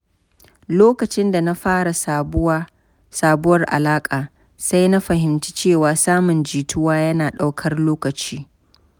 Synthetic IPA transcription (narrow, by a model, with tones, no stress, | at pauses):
loː˦kɐ˨t͡ʃɪ˦nda˨na˦ɸaː˦ɽa˨˦ | saː˨bʊ˦wɐ˨rʔa̰˨laː˦kʼaː˨ | sa˦jna˦ɸɐ˨ɦɪ˨mt͡ʃi̥˦t͡ʃeː˦˨waː˨saː˦mʊ˨nd͡ʒiː˨tʊ˦waː˦jɐ˦naː˨ɗa˦wkʰɐ˦rloː˦kɐ˨t͡ʃiː˦